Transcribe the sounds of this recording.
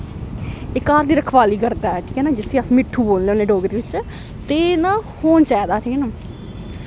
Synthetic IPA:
ɪkːaːɾd̪iːɾəkʰʋaːliːkəɾd̪aːɛʈʰi̥ːkɛːnãːd͡ʒɪsĩːəsmɪʈʰːũːboːlleoneːɖoːɡəd̪eːʋɪt͡ʃ | t̪eːnãːhoːnt͡ʃaːd̪aːʈʰiːkɛnaː

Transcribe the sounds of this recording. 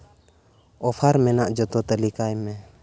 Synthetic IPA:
ɔpʰaɾmɛnaʔd͡ʒɔt̪ɔt̪əlikajmɛ

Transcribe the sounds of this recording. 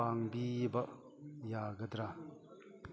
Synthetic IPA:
aŋbibɐʔ | jaːɡɐd̪ɾa

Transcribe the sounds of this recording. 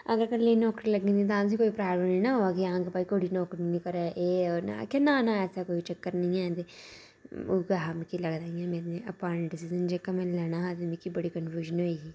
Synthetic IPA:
əɡəɾkəlːenɔːkɾiləɡĩnd̪it̪̬ãːns̬ikoːipɾaːbləminaɦoːaːɡiãːɡepaːikoːɽiːnɔːkɾinĩkəɾɛʔeɔna̰kenanaɛːsakoːit͡ʃəkːəɾnəĩːɛ̃ːt̪e | oɡaɦamkiləɡd̪aːiɛ̃ːmeːɾneʔəpaːɾə̃ɳʈɖɪsizənd͡ʒekamɛ̃ːlɛːñaɦaːt̪emĩkibəɽiːkənfjuːʒənɦoikiː

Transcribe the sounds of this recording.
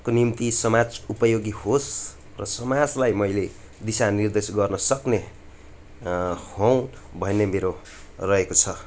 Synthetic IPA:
konimt̪isʌmad͡zupʌjoɡihos | rʌsʌmad͡zlajmʌjle | d̪isanird̪esɡʌrnʌsʌkne | how̃ | bʱʌnːemeɾo | rʌɦekot͡sʰʌ

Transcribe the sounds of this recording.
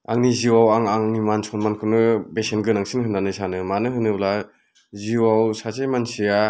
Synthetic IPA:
aŋniziwawaŋaŋnimansʰɔnmankʰɯnɯbesenɡɯnaŋsinhɯnːanɯsʰanɯmanɯɦɯnɯbla | ziwawsazejmansija

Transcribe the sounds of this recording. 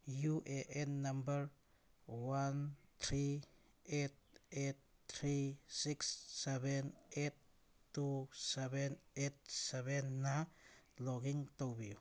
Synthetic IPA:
juʔeʔenːambəɾ | want̪ʰɾi | et̚et̚tʰɾisiksːebenetː | usebenet̚sebenːalɔɡiŋtowbi

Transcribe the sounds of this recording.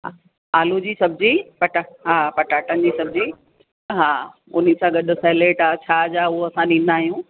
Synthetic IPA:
ɦa | aːlũd͡ʑiːsɐbɪd͡ʑipɐʈaɦaːpɐʈaːʈənɪ̆d͡ʑiːsɐbd͡ʑi | ɦaːʊn̤isãɡɐɗʊseːleːʈaːt͡ɕʰaːd͡ʑaːʊɦoɐsãɗĩːn̆d̪aːɦijũː

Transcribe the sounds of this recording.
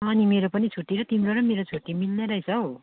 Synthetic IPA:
animeɾopʌnit͡sʰuʈːiɾʌt̪imɾoɾʌmeɾot͡sʰuʈːimilneɾʌjt͡sʰʌo

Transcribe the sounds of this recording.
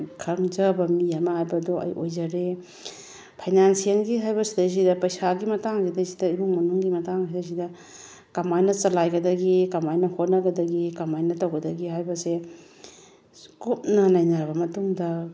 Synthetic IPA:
kʰɐŋd͡ʒɐbɐmiamɐhajbɐdoʔɐ̰jʔojd͡ʒɐɾe | pʰɐjnansijeŋɡiɦajbɐsidɐjs̬idɐpɐjsaɡimɐtaŋɡidɐjsidɐibuŋmɐnuŋɡimɐtaŋidɐjs̬idɐ | kamajnɐt͡ʃɐlajɡɐdɐɡikɐmajnɐhot̚nɐɡɐdɐɡikɐmajnɐtɐwɡɐdɐɡiɦajbɐse | kup̚nɐnajnaɾbɐmɐtuŋdɐ

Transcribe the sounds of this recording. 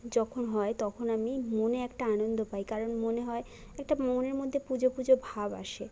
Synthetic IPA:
d͡ʑɔkʰonɦɔet̪ɔkʰonamimoneɛkʈaanond̪opajkaɾonmoneɦɔe | ɛk̚ʈamɔoneɾmod̪ʱːepud͡ʑopud͡ʑobʱaba̰ʃe

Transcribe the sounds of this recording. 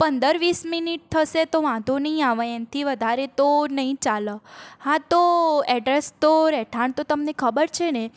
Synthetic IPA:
pənd̪əɾʋisminiʈ̚t̪ʰəʃet̪oʋãd̪ʱonəɦĩaʋəent̪ʰiʋəd̪ʱaɾet̪onəɦĩt͡ʃaləhãt̪oɛɖɾest̪oɾɛʈʰaɳt̪ot̪əmnekʰəbəɾt͡ʃʰene

